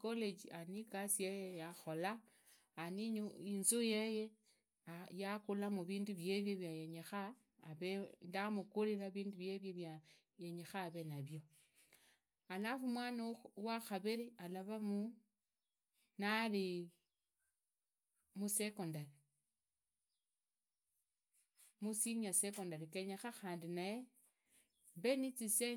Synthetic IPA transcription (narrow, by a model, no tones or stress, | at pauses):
koled͡ʒianikasijejejaxo̞laː | niɲinzujeje | ajakulamuβiːnduβje̞βjoβjajeɲexaː | βe̞ndamukulilaβiːnduβje̞βjoβja | jeɲexaːβe̞naβjo̞ | alafumwaːnawaxaβeɾialaβamu | naɾi | musekondale | musiɲiasekondaɾekeɲexaxaːndinaje | be̞nit͡sise